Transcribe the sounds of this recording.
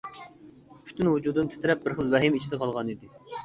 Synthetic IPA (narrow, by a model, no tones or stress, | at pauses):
pʰy̥t̪ynwud͡ʒud̪ɨnt̪ʰɪ̥t̪ʰɪɾɛp̚bɪɾχəlˠvɛɦɪmit͡ʃʰid̪ɛqʰɑlˠʁɑnid̪ɪ